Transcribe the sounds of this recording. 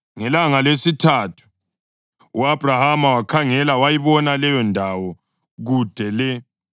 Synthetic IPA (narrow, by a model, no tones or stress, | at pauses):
ŋɛlaŋalesitʰaːtʰu̥ | uab̥ʱrahamawakʰaŋɛlawajiβɔnalɛjɔndʱawɔ | ɣud̥ʱɛlɛ